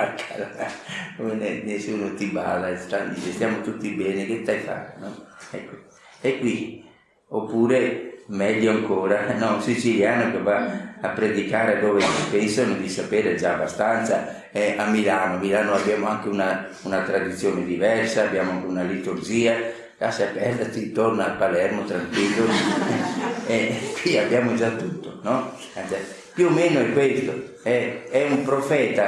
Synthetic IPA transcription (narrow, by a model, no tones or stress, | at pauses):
akʰalakomenɛnesuːnot̪iba̰ːlast̪ad̪it͡ʃest̪jaːmot̪ut̪ːibɛːneket̪ːajfa̰ːɾenɔɛkːo | ekːwi | opːuːɾemɛd̪joaŋkoːɾanɔsit͡ʃiljaːnokevaːpːɾed̪ikaːɾed̪oːvesipɛnsonod̪isapeːɾed͡ʒaːbːast̪ant̪sa | ɛamːilanomilaːnoabjaːmoaŋkeuna | unat̪ɾad̪it̪sːjoːned̪ivɛrsaːbːjaːmoaŋk̟eunalit̪urd͡ʒiːa | kasapɛrat͡ʃ̪int̪ornalpalɛrmot̪ɾaŋkwilːoɛɛkwiabjaːmod͡ʒat̪ːut̪ːonɔ | ansa | pjumeːnoɛkːwest̪o | ɛɛumpɾofɛːt̪a